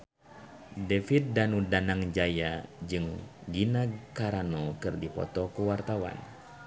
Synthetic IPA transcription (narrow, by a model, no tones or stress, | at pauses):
dɛfit̪̚danudanaŋd͡ʒajad͡ʒɨŋɡinakaɾanɔkɨrdipɔ̰t̪ɔkuwart̪awa̰n